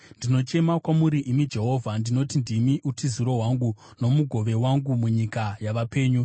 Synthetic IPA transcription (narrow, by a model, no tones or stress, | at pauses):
ndino̞t͡ʃe̞makwamuɾiʔimid͡ʒe̞ɦo̞vʱandino̞tindimiʔutiziɾo̞ɦwaŋɡu | no̞muɡʱo̞ʋe̞waŋɡumuɲikajaʋape̞ːɲu